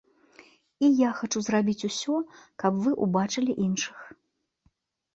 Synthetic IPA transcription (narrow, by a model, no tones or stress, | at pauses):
ijaxat͡ʂuzrabʲit͡sʲusʲɔkɐpvɨʔubat͡ʂɨlʲiʔinʂɨ̥x